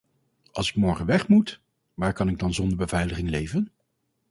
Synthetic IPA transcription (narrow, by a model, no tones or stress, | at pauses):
ʔɑ̰lˠsɪkmɔɹχənʋɛχmut | ʋaːɹkɑnɪɡ̚dɑnzɔndəɹbəvɛjləχɪŋlejvən